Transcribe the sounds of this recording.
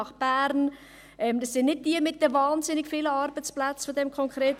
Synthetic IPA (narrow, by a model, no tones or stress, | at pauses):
ɑχb̥æːɾn | ʔɛmd̥ɑsːɪnnɪd̚d̥iəmɪt̚d̥əvɑːnzɪnɪɡfiːləɑɾbət͡splat͡sfodɛmkʰɔŋkɾeːt